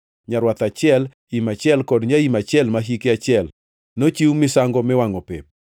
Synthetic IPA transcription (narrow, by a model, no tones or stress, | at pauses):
ɲaɾwat̪at͡ʃɪɛl | imat͡ʃɪɛlkɔdɲaimat͡ʃɪɛlmaɦikeat͡ʃɪɛl | not͡ʃiwmɪsaŋɡɔmɛwaŋɔpep̚